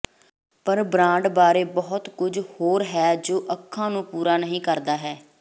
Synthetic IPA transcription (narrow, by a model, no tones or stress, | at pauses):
pəɾbɾãːɳɖbaːɾeːbɔːʊt̪kʊd͡ʒhoːɾɦɛːd͡ʒoːʔəkʰːãːnũːpuːɾaːnəɦĩːkəɾd̪aːɦɛː